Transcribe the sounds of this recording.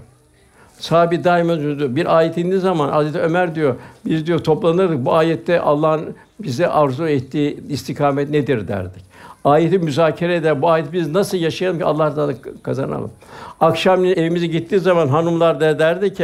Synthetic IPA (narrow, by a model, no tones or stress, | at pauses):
saːbid̪aːimønd͡ʒynd̪ijobiɾʔaːjɛt̪ʰind̪izamanhazɾɛt̪ʰɛømæɾd̪ijobizd̪ijot̪ʰo̞plˠanɯɾd̪ɯk̚buaːjɛt̪ʰːɛʔa̰lˠːaɦn | bizd̪ɛʔaɾzuɛt̪ːiːist̪ʰikʰaːmɛt̪ned̪iɾd̪æ̰ɾd̪ic | aːjet̪ʰimyzaːcʰeɾɛd̪æɾbuaːjɛt̪biznasɯlˠjaʃajalˠɯmcʰialˠːahd̪ad̪kʰaza̰na̰lˠɯ̰makʃamnine̞vimizɛɟit̪ʰːiːzamanɦanumlˠaɾd̪ad̪æɾd̪ic